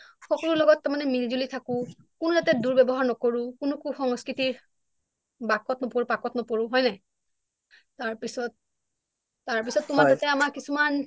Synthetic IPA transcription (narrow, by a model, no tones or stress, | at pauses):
xɔkɔlʊlɔɡɔtːamanɛmilizulitʰakʊ̃ | kʊnʊdatɛduɹbɛbɔɦaɹnɔkoɹʊ̃kunʊkuxɔŋskɹitiɹ | bakɔtnɔpoɹʊpakɔtnɔpoɹʊ̃ɦɔjnaj | taɹpisɔt̚ː | aɹpisɔtːʊmazatɛamaɹkisuman